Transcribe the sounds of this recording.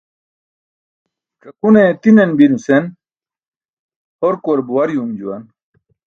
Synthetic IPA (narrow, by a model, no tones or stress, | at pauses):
kɐkunet̪inenbinusen | oɾkoɾbuwɐɾjumd͡ʑuwɐn